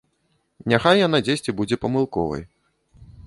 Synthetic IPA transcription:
nʲaxajːan̪ad͡zʲesʲt͡sʲibud͡zʲɛpɐmɨlˠkɔvɐ̰j

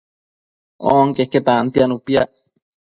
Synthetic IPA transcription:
o̰ʔŋkehket̪ant̪ianupiaʔ

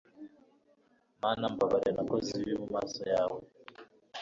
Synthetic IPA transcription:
manambaβaɾanakɔziβimumasɔjaːwɛ

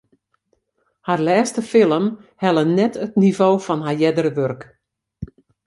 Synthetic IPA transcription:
harlɛːstəfɪlˠəmhɛlˠənɛtətnivoːfɔnɦajɛdəɾəʋørk

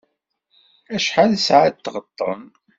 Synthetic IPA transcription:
æʃħalsʕat̪ːʁət̪ˤːə̰n

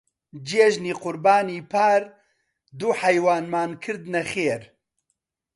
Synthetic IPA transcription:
d͡ʒeːʒniːqʊɾbaːniːpʰaːɾ | d̪uːħɐjwaːnmaːnkʰɨɾd̪nɐxeːɾ

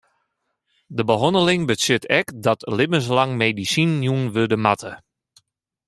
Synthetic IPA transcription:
dəbəɦɔndəlɪŋbəsɪtʰɛkdɔtlɪbəns̬laŋmedisinjuənʋødəmatʰə

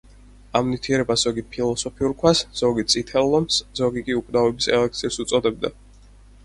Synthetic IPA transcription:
amnit̪ʰiɛɾɛbasz̥ɔɡipʰilˠɔsɔpʰiuɾkʰwasz̥ɔɡit̪sʼit̪ʰɛlːɔmszɔɡikʼiukʼnavɛbisɛ̰lɛk̚t̪sʰisut̪sʼɔd̪ɛb̚d̪a̰

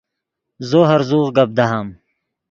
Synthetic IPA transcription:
zoɦɐɾzuːʁɡɐb̚d̪aɦam

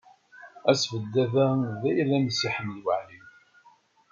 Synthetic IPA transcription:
æsvəd̪ːæðæðæjlːænsiħəmːəlwəʕlin

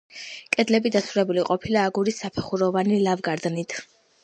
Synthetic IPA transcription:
kʼɛd̪lɛbid̪asʰuɾɛbuliqʼɔpʰilaːɡuɾisːapʰɛχuɾɔvanilavɡaɾd̪nit̪ʰ

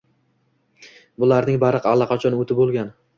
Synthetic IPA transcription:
bʊlaɾnɪŋbaɾɨqalˠːɑqʰɑt͡ʃʰɒnot̪ʰɪbolˠɡʲan

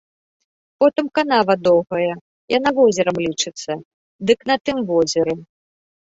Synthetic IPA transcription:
pɔt̪ɨmkanavɐd̪ɔwɣɐjɐ | jan̪avɔzʲɐɾɐmlʲit͡ʂɨt̪sːɐ | d̪ɨknɐt̪ɨmvɔzʲɐɾɨ

